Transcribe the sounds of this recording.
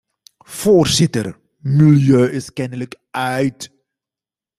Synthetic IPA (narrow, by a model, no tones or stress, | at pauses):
v̥oːrzɪtər | miljøːʔɪskɛnələk | œɥt